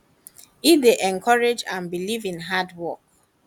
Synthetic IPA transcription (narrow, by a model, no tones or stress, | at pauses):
ideʔɛ̃ŋkʰɔɹed͡ʒãnbilivĩnɦadwɔk̚